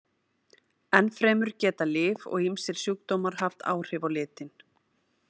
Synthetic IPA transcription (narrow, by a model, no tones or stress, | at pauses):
ɛnfɾɛːmʏɾ̥cɛːt̪alɪːvɔ̰ɣimsɪɾ̥sjuːkt̪owmaɾ̥ɦaft̪a̰ːwr̥ɪːvawlɪːt̪ɪn